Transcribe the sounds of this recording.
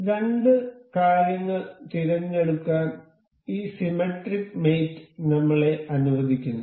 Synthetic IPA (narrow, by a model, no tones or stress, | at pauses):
ɾe̞ɳɖɨkaːɾjɐŋːɐɭt̪iɾɐŋːeɽukːaːm | iːsimeʈrikːmejtːɨ̥nɐmːɐɭe̞ɐnuʋɐd̪ʱikʲːunːɐ